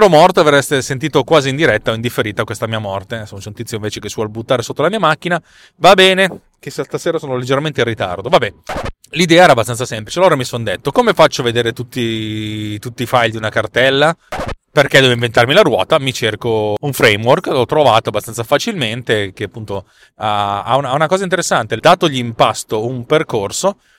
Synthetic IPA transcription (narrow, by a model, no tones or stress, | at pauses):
ɾomɔrt̪oaverɛst̪esent̪̬iːt̪okwaːziːnd̪iɾɛt̪ːaoind̪ifːeɾiːt̪akwest̪amiːamɔrt̪esonsent̪it̪sjoĩɱveːt͡ʃekesːwɔlbut̪ːaːɾesot̪ːolamiːamak̟ːina | vabɛːne | kesst̪aseːɾasoːnoled͡ʒːeɾament̪eirit̪a̰rd̪ovabːɛ | lid̪ɛːaɛɾabːast̪ansasɛmplit͡ʃealoːɾamisond̪et̪ːokomefat͡ʃːoved̪eːɾet̪ut̪ːi | t̪ut̪ːifajld̪iunakart̪ɛlːaperked̪ɛːvoiɱvent̪armilaɾwɔ̰ːt̪amit͡ʃerkouɱfɾɛjmworklɔt̪ːɾovaːt̪oabast̪ansafat͡ʃilment̪ek̟eapːunt̪o | aa̰unaunakɔːzaint̪̬eɾesːant̪ed̪aːt̪oʎimpast̪oumperkorso